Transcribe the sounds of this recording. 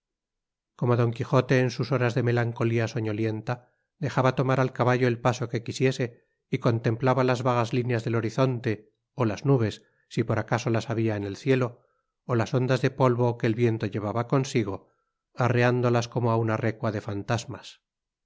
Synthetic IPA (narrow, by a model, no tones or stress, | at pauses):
ko̞moðo̞ŋkixo̞t̪e̞ːnsuso̞ɾazðe̞me̞laŋko̞liaso̞ɲo̞lje̞nt̪a | ðe̞xaβat̪o̞maɾalkaβaʝoe̞lpaso̞ke̞kisje̞se̞ | iko̞nt̪ẽ̞mplaβalazβaɣ̞azlinjazðe̞lo̞ɾiθo̞nt̪e̞ | olaznuβ̞e̞sː | ipo̞ɾakaso̞lasaβiaene̞lθje̞lo̞ː | laso̞nd̪azðe̞po̞lβo̞ke̞ːlβje̞nt̪o̞ʝe̞βaβako̞nsiɣ̞o̞ | areand̪o̞lasko̞moaunare̞kwaðe̞fant̪azmas